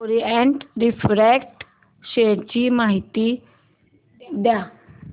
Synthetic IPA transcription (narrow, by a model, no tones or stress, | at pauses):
ɾiɛ̃ɳʈɾɪpʰɾɛːkʈ | ʃeːʈd͡ʒiːmaːɦɪt̪iː | d̪aː